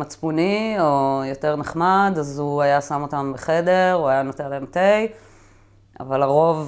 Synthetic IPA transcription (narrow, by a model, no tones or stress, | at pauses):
at͡spunio̞jo̞te̞ʁneχmad̪azuajasamo̞t̪ambeχe̞de̞ʁuajanot̪elaemt̪ej | a̰valaʁo̞v